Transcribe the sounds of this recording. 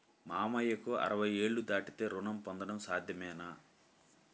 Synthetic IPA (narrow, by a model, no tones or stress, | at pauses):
maːmɐjːɐkuɐ̰ɾɐʋɐje̞ːɭːud̪aːʈit̪e̞ːɾuɳɐmpɔnd̪ɐɳɐmsaːd̪ʱjɐmɛːna